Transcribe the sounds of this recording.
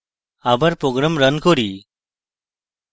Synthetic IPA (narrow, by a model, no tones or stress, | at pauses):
abəɾpɾoɡɾamɾənkoɾiː